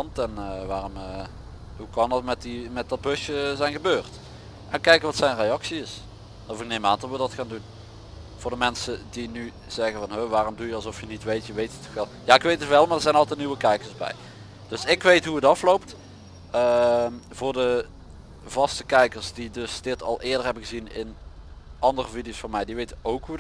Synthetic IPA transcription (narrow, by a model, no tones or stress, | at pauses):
ɑntɛnəʋaːrɔmə | ɦukɑndɑtmɛtdimɛt̚dɑd̚bøʃəzɛjnɣəbøːrt | ʔɛnkɛjkəʋɑtsɛjnrejɑksiɪs | ɔfɪk̚nejmaːndɔtʋədɑtxaːndun | v̥ʊːɹdəmɛnsədiny | z̥ɛɣəvɑnɦøʋaːrɔmdujəɑlˠzɔfjənitʋejtjəʋejtə̥tɔxʋɛlˠjaɪkʋejtətʋɛlˠmaːɹdəɹzɛjnɑlˠtɛt̚niʋəkɛjkəɹzbɛ̰j | d̥ɵsɪkʋejtɦuətɑflowpt | əmvʊːɹdə | vɑstəkɛjkəɹsdidɵsd̥ɪtɑ̰lˠʔɪːɹdəɹɦɛbəɣəzinɪn | ʔɑndərəvidijowsfʊnmɛjdiʋejtəowkɦud